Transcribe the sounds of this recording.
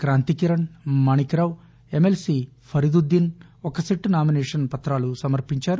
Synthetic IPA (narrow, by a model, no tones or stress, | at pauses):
kɾaːnt̪ikiɾɐɳmɐɳikɾaːw | emelsi | pʰɐɾid̪ud̪ːinɔkɐsiʈːnaːminɛːʂɐnpɐt̪ɾaːlusɐmɐɾpiɲt͡ʃaːɾu